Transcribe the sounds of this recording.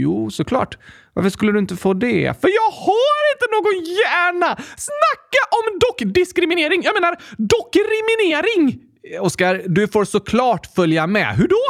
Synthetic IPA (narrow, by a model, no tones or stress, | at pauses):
juːsɔkʰlɑ̰ːʈva̰ɾfəʂkɵlːəd̪ɵɪnt̪əfoːd̪ɛ̰fœɾjɑːɡhaɾɪnt̪ənoːɡɔnjæːɳasnakːaʔɔmd̪ɔkːd̪ɪskɾɪmɪneːɾɪŋjɑːɡmeːnaɾd̪ɔkːɾɪmɪneːɾɪŋ | ɔskaɾd̪ɵfoːɾsɔkʰlɑːʈfœljamɛ̰ɦɵɖɔ